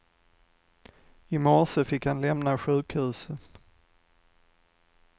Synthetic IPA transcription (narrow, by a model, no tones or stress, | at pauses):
ɪmɔʂəfɪkhanlɛmnaɧʉ̟ːkhʉːsən